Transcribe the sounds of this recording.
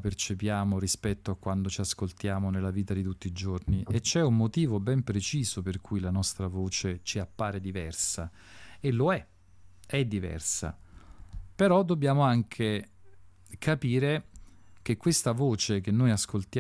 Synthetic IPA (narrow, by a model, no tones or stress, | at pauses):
pert͡ʃepjaːmoɾispɛt̪ːoakːwand̪ot͡ʃiaskolt̪jaːmonelːaviːt̪ad̪it̪ut̪ːiːd͡ʒorniet͡ʃːɛumːot̪iːvobɛmpɾet͡ʃiːzoperkʰujlanɔst̪ɾavoːt͡ʃet͡ʃiapːaːɾed̪ivɛrsa | eloɛ | ɛd̪ːivɛ̰rsa̰ | peɾɔd̪obːjaːmoaŋkʰe | kʰapiːɾek̟ekːwest̪avoːt͡ʃek̟enːojaskolt̪j